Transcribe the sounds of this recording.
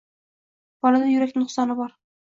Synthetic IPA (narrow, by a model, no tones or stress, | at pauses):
b̥ɒlˠɑd̪ɑjɵ̆ɾækt̪ɘŋnŏχsɑnɤbɑɾ